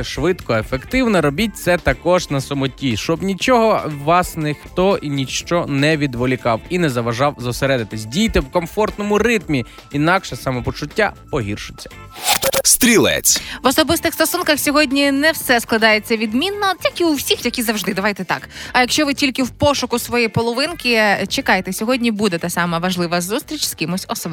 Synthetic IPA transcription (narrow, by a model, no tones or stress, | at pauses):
ɛʃʋɪt̪kɔefekt̪ɪwnɐɾɔbʲit̚ʲt̪sɛt̪ɐkɔʒnɐsɔmɔtʲiʃt͡ʃɔbnʲit͡ʃɔɦɔʋɑsnɪxt̪ɔinʲit͡ʃt͡ʃɔnɛʋʲid̪ʋɔlʲikɑwinɛzɐʋɐʒɑwzɔseɾɛd̪ɪt̪ɪsʲdʲijt̪ɪwkɔmfɔrt̪nɔmʊrɪt̪mʲi | inɑkʃɛsɑmɔpɔt͡ʃʊtʲːa̰pɔɦʲirʃʊ̥t͡sʲːɐ̥ | st̪ɾʲilˠɛ̰jḛt͡sʲʋɔsɔbɪst̪ɪxst̪ɔsunkɐxsʲɔɦɔdʲnʲinɛwsɛsklˠɐd̪ɑjet͡sʲːɐʋʲid̪mʲinːɔtʲilʲkʲɪuwsʲixjɐkʲizɐwʒd̪ɪd̪ɐʋɑjt̪ɛt̪ɑ̰kɐjɐkʃt͡ʃɔʋɪtʲilʲkɪwpɔʃʊkʊsʋɔjɛpɔlˠɔʋɪnkʲɪt͡ʃekɑjet̪ɛsʲɔɦɔdʲnʲibud̪ɛt̪ɑsɑmɐʋɐʒlˠɪʋɐzust̪ɾʲit͡ʃskɪmʊsʲɔsɔb